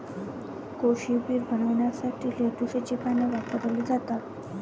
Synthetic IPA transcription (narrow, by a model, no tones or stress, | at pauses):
koɕipiːɾbʱənəʋɳjasaʈʰiːleʈ̪uɕet͡ɕikanəʋatəɾəlid͡zat̪a